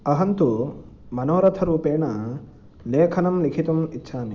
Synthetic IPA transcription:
ɐɦɐnt̪u | mɐnoːɾɐt̪ʰɐɾuːpeːɳɐ | leːkʰɐnɐmlikʰit̪umitːʃʰaːni

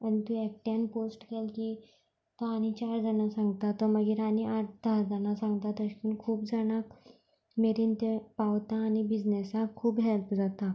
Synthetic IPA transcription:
aɽ̃it̪ũːɛk̚ʈjanposʈkelkiː | t̪ɔaɽ̃it͡ɕaɾd͡zanasãŋɡt̪at̪ɔməɡiːɾañiaʈ̚ʰd̪ʱad͡zanasãŋɡt̪at̪əɕkiːnkʰuːpd͡zaɽ̃ak | meɾiːnt̪epawt̪aːñibid͡znesakʰːuːbɦɛlpd͡zat̪a

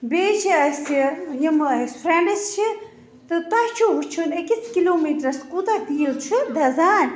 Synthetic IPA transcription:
beːt͡ʃʰiɐsijimɐsfʰɾeɳɖist͡ʃʰi | t̪ɨt̪ɐht͡ʃʰoɦut͡ʃʰunekiskiloːmiːʈɾɐskuːt̪at̪iːlt͡ʃʰud̪ɐzaːn

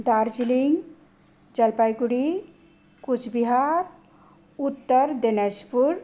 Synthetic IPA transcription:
d̪aɾd͡ʒiliŋ | d͡ʒəlpajɡuɽi | kut͡ʃʰbiɦaɾ | ut̪ːəɾd̪ened͡ʒpuɾ

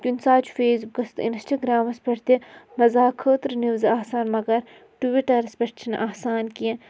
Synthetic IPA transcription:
k̪ʲunʲsaːt͡ʃʰfeːsbukɐst̪ɨinsʈɐːɡɾaːmɐspɐɾt̪emɐzaːkʰəːt̪ɾniʋzaːsaːnnɐɡɐɾ | ʈuʋiʈɐɾspeʈt͡ʃʰɐnʔaɦsaːnkijẽ

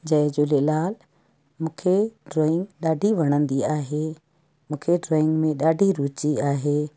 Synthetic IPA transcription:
d͡ʑɐ̃ɦɪ̃d͡ʑolelaːl | mũːkʰeɖɾoːɪ̃ŋɡɗaːɖʱiʋɐɽ̃ə̃nd̪iaːɦe | mũːkʰeɖɾoːɪ̃ŋɡmẽɗaːɖʱiɾuːt͡ɕiaːɦeː

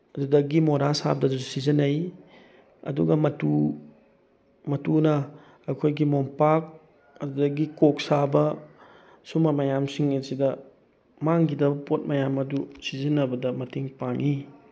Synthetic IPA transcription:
ɐdudɐɡimoɾasa̰b̚dɐdusizɐnɐj | ɐ̰duɡɐmɐtu | mɐtunɐ | ɐjkʰojɡimompak̚ | ɐdudɐɡikok̚sabɐ | sumamɐjamsiŋesidɐ | maŋɡidɐbɐpot̚mɐjamɐdusizinɐbɐdɐmɐtiŋpaŋi

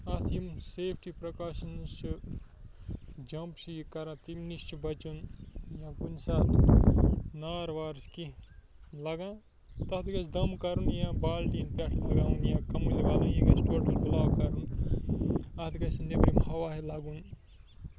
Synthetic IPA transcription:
ɐt̪ʰimseːpʰʈipɾɐkaːʃnist͡ʃi | d͡ʒɐmpsiikɐɾãːt̪imnist͡ʃibɐt͡ʃunjãːkunsaːt̪ʰ | naːɾʋaːɾski | lɐɡãː | t̪ɐt̪ɡɐsd̪ɐmkɐɾunjãːbaːlʈinpaʈʰlɐɡaːunjãːkɐmɡlibaːlãjiɡɐsʈoɾʈulblaːkɐɾun | ɐt̪ʰɡɐsnebɾimhɐʋaːɦilaɡun

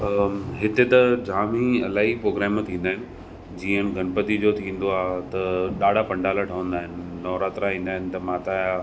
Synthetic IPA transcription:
ɦɪt̪et̪ɐd͡ʑaːmĩɐlaːɦipɾoːɡɾɛːmt̪ʰĩːnd̪aːɦɪnɪ̆ | d͡ʑiːəñɡʱɐnpət̪id͡ʑot̪ʰĩːn̆d̪oaːɦt̪ɐɗaːɖʱapɐ̃ɳɖʱaːlaʈʰəʋə̃nd̪aːɦɪnɪ̆nɔːʋɾaːt̪ɾaɦĩːn̆d̪aːɪnɪ̆t̪ɐmãːt̪a

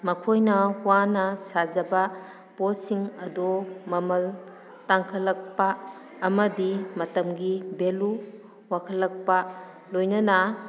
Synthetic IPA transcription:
mɐkʰojnɐwanɐsazɐba | posiŋɐdɔmɐmɐl | taŋkʰɐlɐk̚paː | mɐdimɐtɐmɡibelu | wakʰɐlːɐk̚pa | lojnɐnɐ

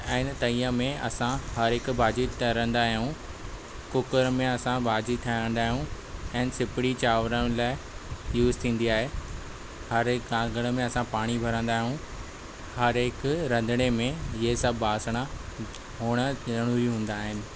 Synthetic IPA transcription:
ɛ̃ːnɪt̪ɐĩːə̃mẽɐ̰sãhɐɾɦɪkbaːd͡ʑit̪ʰɐɾə̃nd̪aːɦijũ | kʊkəɾmẽɐsãbaːd͡ʑit̪ʰaə̃nd̪aːɦijũ | ɛ̃ːnsɪpɪɽ̃it͡ɕaːʋɾə̃laːɪ | juːzt̪ʰĩːn̆d̪iaːɦe | hɐɾɪkɡãːɡəɽ̃əmẽɐsãpaːɽ̃ibʱɐɾə̃nd̪aːɦijũ | hɐɾɦɪkʊɾɐ̃nd̪ʱɽ̃emẽjesəbbaːsɽ̃a | ɦʊɽ̃ə̆ɐɽ̃uɾiɦũːn̆d̪aːɦɪnɪ̆

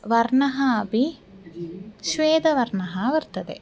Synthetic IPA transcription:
ʋɐɾnɐɦɐːpi | ʃʋeːd̪ɐʋɐɾnɐɦɐʋɐɾt̪ɐd̪ḛ

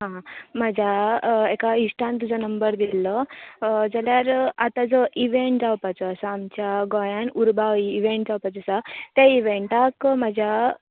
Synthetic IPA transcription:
ɦãmad͡ʑʱaekaisʈãnt̪ud͡zɔnəmbəɾd̪ilːɔ | d͡zəljaɾat̪ad͡zɔʔiʋeɳʈ̚d͡zawpat͡sɔːsaːmt͡ɕjaɡɔjanuɾbaʋiːʋeɳʈ̚d͡zawpat͡sɔsat̪eiʋeɳʈakmad͡ʑʱa

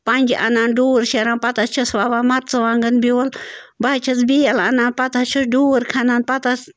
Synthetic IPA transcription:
pɐnʲd͡ʒɐ̰naːnɖuːɾʃɐɾaːnpɐt̪ɐt͡ʃʰɐsʋaʋamɐɾt͡sɨʋaːŋɡənbiwɐl | baːt͡ʃʰɐsbijɐlanaːnpɐt̪at͡ʃʰusɖuːɾkʰɐnanpɐt̪as

